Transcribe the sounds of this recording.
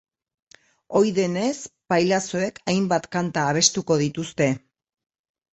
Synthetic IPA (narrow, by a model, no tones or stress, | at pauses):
o̞jðe̞ne̞spajlaso̞e̞kʰajmbat̪kant̪aːβ̞e̞st̪uko̞ð̞it̪ust̪e̞